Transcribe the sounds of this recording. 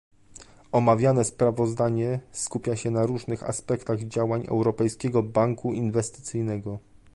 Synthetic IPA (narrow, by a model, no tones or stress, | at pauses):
ɔmavʲjanɛspɾavɔzd̪aɲɛskupʲjaɕɛnaɾuʐnɘxa̰spɛkt̪aɣd͡ʑawaɲɛ̰wɾɔpɛjskʲɛɡɔbaŋkuinvɛst̪ɘ̥t̪sɘjnɛɡɔ